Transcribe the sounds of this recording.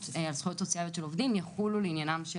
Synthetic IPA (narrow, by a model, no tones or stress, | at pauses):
alsχujot̪sot͡siajotʃelovd̪imjaχululeinjanamʃ